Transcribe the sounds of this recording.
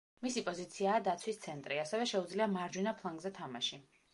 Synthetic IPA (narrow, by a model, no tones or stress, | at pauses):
misipʼɔzit̪sʰiaːd̪at̪sʰwist̪sʰɛnt̪ʼɾiasɛvɛʃɛud̪zliamaɾd͡ʒwinapʰlˠaŋɡzɛt̪ʰamaʃi